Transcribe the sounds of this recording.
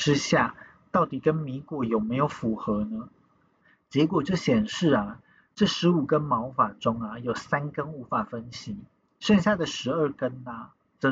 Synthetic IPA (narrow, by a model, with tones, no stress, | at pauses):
ʈ͡ʂɻ̩˥ɕja˥˧ | t̪ɑ˥˩ʊt̪i˨˩kə˦˥nmi˧˥˦kwɔ˨˩jo˨˩ʊme˧˥ɪjo˨˩ʊfu˧˥xɤ˧˥nə˧ | t͡ɕjɛ˧˥kwɔ˨˩ʈ͡ʂɤ˥˩ɕjɛ˨˩nʂɻ̩˥˩ɐ˩ | ʈ͡ʂɤ˥˩ʂɻ̩˧˥u˨˩kə˥nmɑ˧˥ʊfa˨˩ʈ͡ʂʊ˥ŋɐ˨jo˨˩ʊsa˥nkə˥nu˧˥fa˨˩fə˦˥nɕi˧˥ | ʂə˥˧nɕ̬ja˥˩d̪ə˨ʂɻ̩˧˥ə˞˥˩kə˦˥nə˧˩ | t͡sə˥˧˥